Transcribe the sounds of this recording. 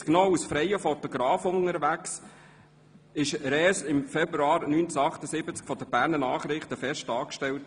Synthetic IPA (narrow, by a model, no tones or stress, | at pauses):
knɔwusfɾɛjəfɔtɔɡɾɑːfʊŋəɾʋæks | ɪʃɾɛːsɪmfɛbɾuɑːɾnyːnt͡sɑχtəsɪbət͡skfɔdəbæːɾnənɑːχɾɪχtəfɛʃtɑːkʃtɛlt